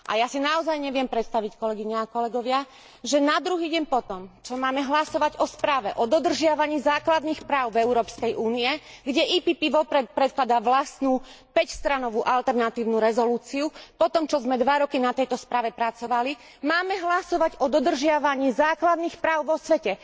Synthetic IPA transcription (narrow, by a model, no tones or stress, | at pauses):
ʔa̰jasinaɔzajɲɛʋɪɛmpɾɛt̪st̪aʋickɔlɛɡiɲɛakɔlɛɡɔʋɪa | ʒɛnad̪ɾuɦiːɟɛmpɔt̪ɔmt͡ʃɔmaːmɛɦlasɔʋaɟɔspɾaːʋɛʔɔd̪ɔd̪r̩ʒɪaʋaɲiːzaːklad̪nixpɾaːʊvɛuɾɔːpskɛjʔuːniɛɡɟɛʔiːpiːpiʋɔpɾɛt̪̚pɾɛt̪̚klad̪aʋlasnupɛcst̪ɾanɔʋuʔalt̪ɛɾnat̪iːʊnuɾɛzɔluːt͡siupɔt̪ɔmt͡ʃɔzmɛd̪ʋaɾɔkinat̪ɛjt̪ɔspɾaːʋɛpɾat͡sɔʋali | maːmɛɦlasɔʋaɟɔd̪ɔd̪r̩ʒɪaʋaɲiːzaːklad̪nixpɾaːʊʋɔsʋɛcɛ